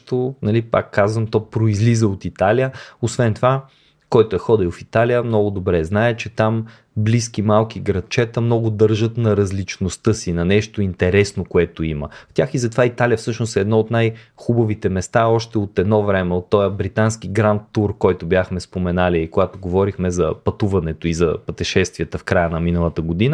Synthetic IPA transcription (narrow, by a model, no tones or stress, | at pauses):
t̪onɐlipa̰kːazvəmt̪ɔpɾoizlizəot̪it̪alijəosvɛnt̪ova | kɔjt̪oɛxɔd̪ilwˠfit̪alijəmnɔɡʊd̪obɾɛznaɛt͡ʃɛt̪am | bliskimalˠkiɡɾɐt̪̚t͡ʃɛt̪əmnɔɡʊd̪ɤɾʒət̪nɐɾɐzlit͡ʃnost̪ɤsinɐnɛʃt̪oint̪ɛɾɛsnokoɛt̪oimə̰ft̪ʲaxizɐt̪ovait̪alijəfsɤʃnosɛːd̪nɔot̪najxubɐvit̪ɛmɛst̪aɔʃt̪ɛot̪ɛd̪nɔvɾɛmɛot̪ːɔjəbɾit̪anskiɡɾant̪ːuɾkɔjt̪objaxmɛspomɛnaliːkoɡat̪oɡovɔɾixmɛzɐ̰pɐt̪uvɐnɛt̪oizɐpət̪ɛʃɛst̪viət̪əfkɾajənɐminəlˠət̪əɡod̪inə